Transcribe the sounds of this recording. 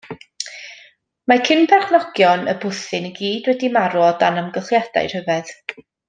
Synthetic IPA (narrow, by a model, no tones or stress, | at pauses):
makʰɪnpʰɛrχnɔɡ̥jɔnə̰bʊθɪnəɡiːdwɛdimaɾɔdanəmɡəɬjad̥a̰jr̥həvɛð